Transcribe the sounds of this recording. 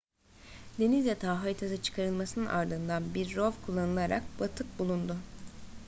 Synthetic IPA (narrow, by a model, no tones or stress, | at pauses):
d̪enizʲjat̪ʰaːɦajt̪ʰasɯt͡ʃʰɯ̥kʰaɾɯlˠmasɯnɯnʔa̰ɾd̪ɯnd̪anbiɾːovkʰulˠːanɯlˠaɾa̰k̚bat̪ʰɯk̚bulˠund̪ʊ